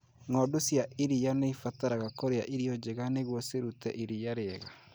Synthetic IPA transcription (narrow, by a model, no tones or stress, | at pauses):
ŋɔdosjaʔiɾijaneifataɾaɣakoɾeaʔiɾiɔd͡ʒeɣaneɣwɔseɾutɛ̰ʔiɾijaɾeɛɣa